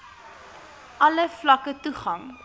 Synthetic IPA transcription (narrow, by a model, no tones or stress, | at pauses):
ʔɐləflɐkətuχɐŋ